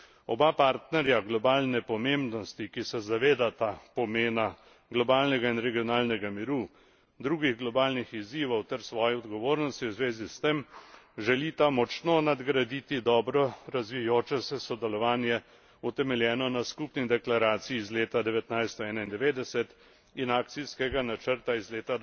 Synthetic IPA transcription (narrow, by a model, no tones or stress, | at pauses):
ɔbapaːɾt̪nɛɾjaɡlɔbaːlnɛpɔmembnɔst̪ikisɛzaʋeːd̪at̪apɔmeːna | ɡlɔbaːlnɛɡainɾɛɡijɔnaːlnɛɡamiɾu | d̪ɾuːɡiɣɡlɔbaːlnixiziːʋɔwt̪ɛɾsʋɔːjɛɔd̪ɡɔʋoːɾnɔst̪iwzʋeːzist̪emʒɛlit̪amɔt͡ʃnonad̪ɡɾad̪it̪id̪ɔːbɾɔɾazʋijoːt͡ʃɛsɛsɔd̪ɛlɔʋaːnjɛ | ut̪ɛmɛljɛːnɔnaskupnid̪ɛklaɾaːt̪siiːzleːt̪ad̪ɛʋɛt̪najst̪ɔɛːnaind̪ɛʋeːd̪ɛsɛt̪ | inaːk̚t̪siskɛɡanat͡ʃəɾt̪aizleːt̪a